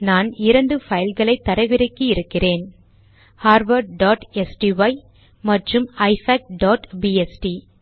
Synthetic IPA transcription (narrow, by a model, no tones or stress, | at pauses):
naːnɪɾɐɳɖɯfɐjɐlɣɐɭɐɪt̪ːɐɾɐɪʋɪɾɐɪkːɯɪɾɯkːɪreːn | haːɾʋɐɾɖaːʈɛsʈiʋɐɪ | mɐʈrɯmɐɪfɐːk̚ɖoːʈbiɛsʈi